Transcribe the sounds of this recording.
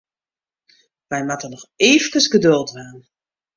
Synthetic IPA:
ʋɛjmatənɔxeːvəkəsɡədølˠtʋaːn

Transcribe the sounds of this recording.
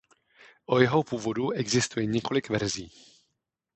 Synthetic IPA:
ʔojɛɦo̞puːvo̞duʔɛɡzɪst̪ujɛɲɛko̞lɪkvɛɾziː

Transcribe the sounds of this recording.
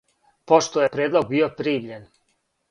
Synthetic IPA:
po̞ʃt̪ojepɾeːd̪lˠo̞ɡ̚biːopɾiːmʎen

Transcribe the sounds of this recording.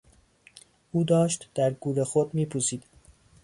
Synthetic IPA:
ʔuːd̪ɒːʃt̪d̪̥æɾɡuːɾexod̪miːpʰuːsiːd̪̥

